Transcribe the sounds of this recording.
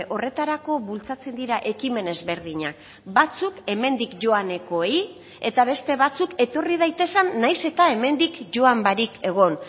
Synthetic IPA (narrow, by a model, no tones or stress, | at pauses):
ʔo̞re̞t̪aɾako̞βult͡sat͡se̞nd̪iɾaʔe̞kime̞ne̞zβe̞ɾð̞iɲa̰k | bat͡suke̞me̞nd̪ikʝo̞ane̞ko̞ej | e̞t̪aβ̞e̞st̪e̞βat͡suke̞t̪o̞riðajt̪e̞sanːajse̞t̪ae̞me̞nd̪ikʝo̞ambaɾike̞ɣ̞o̞n